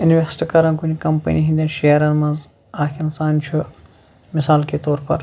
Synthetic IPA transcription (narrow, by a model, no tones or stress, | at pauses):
inʋesʈkɐɾɐnkunkɐmpɐ̰niɦind̪ɐnʃeɐɾɐnmɐnz | aːkʰinsaːnt͡ʃʰu | mɪsaːlket̪oːɾpɐ̰ɾ